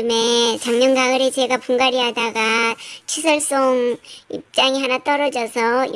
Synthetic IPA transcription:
ɯme̞t͡ɕaŋɲʌnɡaɯɾet͡ɕe̞ɡapuŋɡaɾiɦadaɡat͡ɕʰisʰʌɭs͈oŋḭp̚t͡ɕ͈aŋiɦanat͈ʌɾʌd͡ʑʌsʰʌ

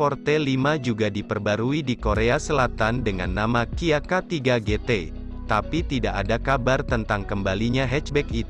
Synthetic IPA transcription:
pɔrt̪elimad͡ʒuɡadipərbaɾuidikoɾeasəlat̪andəŋa̰nːamakiakat̪iɡaɡet̪e | t̪apit̪idaʔadakabart̪ənt̪aŋkəmbaliɲaɦɛt͡ʃbɛkit̪

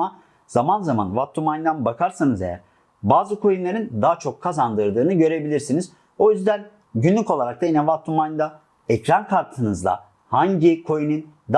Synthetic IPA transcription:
a | z̥amanzama̰nvat̪ʰːumajnd̪anbakʰaɾsanɯze̞jæ̰ɾ | baːzɯkʰo̞junlˠaɾind̪aːt͡ʃʰo̞kʰːazand̪ɯɾd̪ɯːnɯɟø̞ɾe̞bilʲiɾsiniz | o̞jyzd̪æn | ɟynlʲyko̞lˠaɾak̪̚ainɛvat̪ʰːumaj̪d̪a | ɛcɾankʰaɾt̪ʰɯnɯzlˠa̰ | haɲɟikʰo̞junɯnd̪

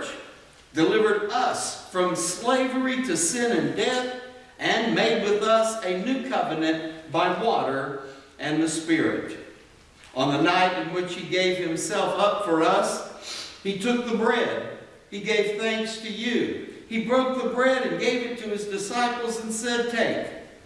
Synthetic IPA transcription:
t͡ʃ | d̥ɨlɪvə˞ɾʌsfɹʌ̃msleɪvə˞iɾɨsɪ̃nɨ̃ndɛθ | ʔɨ̃nmeɪd̚wɪðʌsɨnʉkʰʌvɨnɨ̃nt̚b̥aɪwɔɾə˞ʔɨ̃nðɨspɪɹɪ̰ɾ | ʔə̃nðənaɪɾɨ̃nwɪt͡ʃhiɡeɪv̥ɨ̃msɛlˠfʌpfə˞ʌs | hitʰʊk̚ðəbɹɛd̥̚ | iɡeɪv̥θæ̃ŋkstʰɨjʉibɹoʊk̚ðəbɹɛɾɨ̃nɡeɪvɨtʰɨɨzdɨsaɪpl̩ˠzɨ̃n̩sɛd̚tʰeɪk

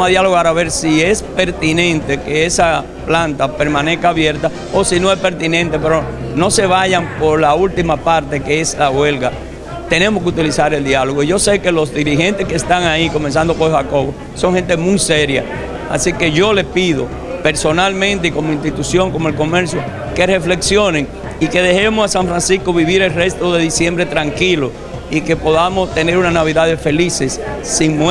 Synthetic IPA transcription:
maðjaloɣaɾaβe̞ɾsie̞spe̞ɾt̪inẽ̞nt̪e̞keesa | plant̪ape̞ɾmãne̞skaːβje̞ɾt̪a | osino̞e̞spe̞ɾt̪inẽnt̪e̞peɾono̞se̞βaʝampo̞ɾlault̪imapaɾt̪e̞keeslawe̞lɣa | t̪e̞ne̞moskeut̪ilisaɾe̞ld̪jalo̞ɣoiʝo̞se̞ke̞lo̞sd̪iɾihe̞nt̪e̞skest̪aŋaiko̞mens̬and̪opoɾhako̞βo | so̞ŋhent̪emujseɾja̰ | a̰sike̞ʝo̞le̞piðo̞ | pe̞ɾso̞nalmẽnt̪eiko̞moinst̪it̪usjo̞ŋko̞moe̞lko̞me̞ɾsjo̞ | ke̞re̞fle̞ksjo̞neŋ | ike̞ðe̞he̞mosasaɱfɾansisko̞βiβiɾe̞lre̞st̪o̞ðe̞ðisje̞mbɾe̞t̪ɾaŋkilo | ike̞po̞ðamost̪e̞neɾunanaβ̞iðaðefe̞lise̞sːiŋm

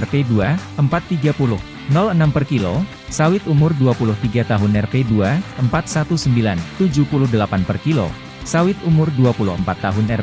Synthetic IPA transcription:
ɛrpeduaəmpat̪ːiɡapulʊh | nɔlənampərkilo | sawɪt̪umʊrduapulʊht̪iɡat̪aɦʊnɛrpeduaəmpat̪̚sat̪usəmbilant̪ud͡ʒupulʊhdəlapanpərkilo̰ | sawɪt̪̚umʊrduapulʊhəmpat̪ːaɦʊnɛr

